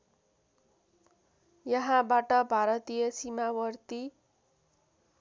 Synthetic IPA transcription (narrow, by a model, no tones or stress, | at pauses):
jʌɦãbaʈʌbʱaɾʌt̪ijʌsimawʌrt̪i